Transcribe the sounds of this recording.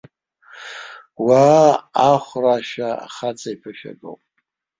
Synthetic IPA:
waːχʷraʃaa̰χat͡sʰʼaipʰaʃᶣa̰ɡo̰wpʼ

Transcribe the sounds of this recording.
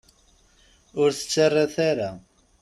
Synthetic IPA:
ʊɾθə̥t͡sːarˤːaθaɾa

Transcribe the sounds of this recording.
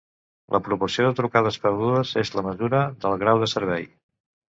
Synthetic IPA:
lʔəpɾupuɾsioðət̪ɾukaðəspəɾðuəzezləməzuɾəðəlˠɣɾawðəsəɾβ̞ɛj

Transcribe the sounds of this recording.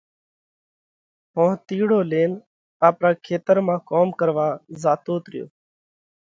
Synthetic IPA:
ɦõːt̪iːɽoːleːn | aːpɾaːkʰeːt̪əɾmãːkoːmkəɾʋaːzaːt̪oːt̪ɾɪjo̰ː

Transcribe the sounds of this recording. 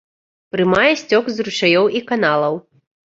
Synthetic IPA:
pɾɨmajɛsʲt͡sʲɔkzruʂajɔwʔikanalˠɐw

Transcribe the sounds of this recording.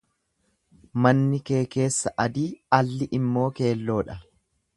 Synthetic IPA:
mɐnːɪke̞ːke̞ːsːɐʔɐd̪iːɐlːɪʔɪmːo̞ːke̞ːlːo̞ːᶑɐ

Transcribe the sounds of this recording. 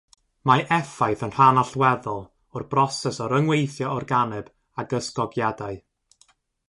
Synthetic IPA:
maʔɛfajθənr̥anaɬwɛðɔlˠ | ʊrbrɔsɛsɔɾəŋwejθjɔɔrɡanɛb̥ | aɡəskɔɡjadaɨ

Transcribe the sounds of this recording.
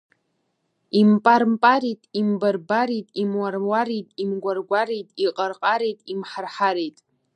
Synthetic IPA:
impʼarmpʼaɾitʼimbarbaɾitʼimwarwaɾijtʼimɡʷarɡʷaɾijtʼiqʼarqʼaɾejtʼimħarħaɾejtʼ

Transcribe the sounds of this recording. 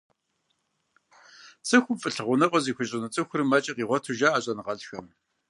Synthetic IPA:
t͡sʼɨxʷʊmfʼɨɬɨʁʷʊnɐqʷʼɔziːxʷʊɕʼɪnɨt͡sʼɨxʷʊɾɨmɐt͡ʃʼɐqiːʁʷɔtʰuʒaːaːɕʼɐnʁɐɮxɐm

